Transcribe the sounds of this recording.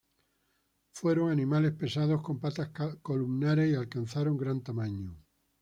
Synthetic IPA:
fwe̞ɾoŋanĩmale̞spe̞sað̞osko̞mpat̪ahkolumnaɾesialkan̟θaɾoŋɡɾant̪amãɲu

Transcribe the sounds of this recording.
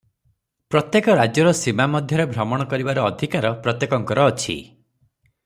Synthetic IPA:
pɾɔt̪jekɔɾad͡ʒjɔɾɔsimamɔd̪ʱjɔɾebʱɾɔmɔɽ̃ɔkɔɾibaɾɔːd̪ʱikaɾɔpɾɔt̪jekɔŋkɔɾɔːt͡ʃʰḭ

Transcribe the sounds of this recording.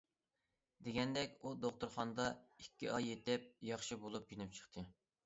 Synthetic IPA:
d̪eɡʲɛnd̪ɛkʲud̪oχt̪uɾχɑnd̪ɑikʲːiʔɑjet̪ɪp̚jɑχʃibolˠupjinyp̚t͡ʃʰə̥χt̪ʰɨ

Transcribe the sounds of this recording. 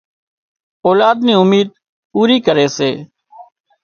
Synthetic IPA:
oːlaːd̪niːʊmiːd̪̚ | puːɾiːkəɾeːseː

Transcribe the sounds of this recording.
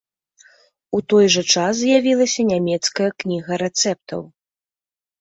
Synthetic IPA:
ut̪ɔjʐɐt͡ʂas̬zʲjavʲilˠɐsʲɐnʲamʲɛt̪skɐjɐknʲiɣɐɾɛt̪sɛp̚t̪ɐ̰w

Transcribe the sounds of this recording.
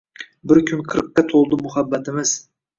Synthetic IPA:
bɪɾkʲʰʊnqʰɨɾqːat̪ʰolˠd̪ɪmʊhabːat̪ʰɪmɪz̥

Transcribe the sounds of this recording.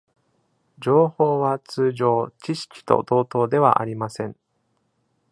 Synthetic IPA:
d͡ʑo̞ːho̞ːβat͡sɨːʑo̞ːt͡ɕiɕi̥kʲi̥t̪o̞̰d̪o̞ːt̪o̞ːd̪e̞βa̰ʔa̰ɾʲimasẽ̞ɴ

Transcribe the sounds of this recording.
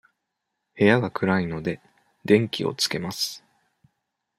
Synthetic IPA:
he̞jaɡakɯ̟ɾaino̞d̪e̞ | d̪ẽ̞ŋkʲio̞̰t͡sɨ̥ke̞masɨ̥

